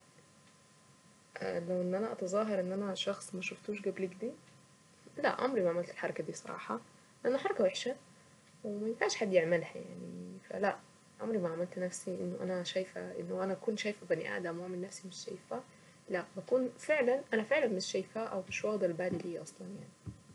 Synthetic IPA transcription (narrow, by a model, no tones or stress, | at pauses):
ʔæ̰læwʔenːʔænæʔɑt̪ɑzˤɑːɦɑɾˤʔenːʔænæʃɑxsˤmæʃoft̪uːʃɡæbliɡd̪iː | læ̰ʔɑ̰mɾimaʕamælt̪elħɑɾˤɑkæd̪iːsˤɑɾˤɑ̰ːħɑ | leʔænːoħɑɾˤɑkæweħʃæ | wemæjɪnfaːʃħad̪ːjeʕmælhæ̰ja̰ʕnḭfæ̰læʔ | ʔɑ̰mɾimaʕamælt̪næfsiʔɪ̰nːoʔæ̰næʃæjfæ̰ʔɪ̰nːoʔænæækuːnʃæːjfæbænḭʔa̰ʕd̪æmwoʕmɪnːæfsimeʃːæ̰jfæ | læbækuːnfeʕlænʔænæfeʕlænmɪʃːæjfæːʔæwmɪʃwɑɣd̪ælbaʕːd̪iliːʔɑsˤlɑnjaʕni